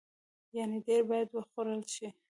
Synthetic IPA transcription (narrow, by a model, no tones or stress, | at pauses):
janeɖeɾbɑjad̪wəxoɾəlʃi